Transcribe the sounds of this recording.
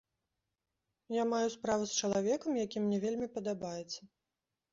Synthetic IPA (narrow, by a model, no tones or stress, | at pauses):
jamajuspɾavust͡ʃɐlˠavʲɛkɐmjakʲimnʲɛvʲelʲmʲipɐd̪abajɛt̪sːɐ